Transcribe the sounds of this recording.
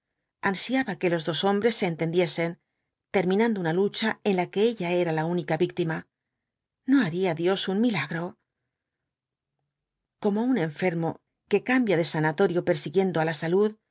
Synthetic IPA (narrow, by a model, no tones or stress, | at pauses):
ansjaβake̞lo̞zðo̞so̞mbɾe̞sːe̞ːnt̪e̞nd̪je̞se̞n | t̪e̞ɾmĩnãnd̪ounalut͡ʃae̞nlake̞eʎae̞ɾalaunikaβik̚t̪ima | no̞aɾiaðjo̞sunmilaɣɾo̞ | ko̞mo̞une̞ɱfe̞ɾmo̞ | ke̞kambjaðe̞sanat̪o̞ɾjo̞pe̞ɾsiɣje̞nd̪oalasaluð